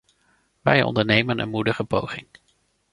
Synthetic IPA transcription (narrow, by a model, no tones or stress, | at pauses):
ʋɛjɔ̰ndəɹnejmənʔə̰nmudəχəpowχɪŋ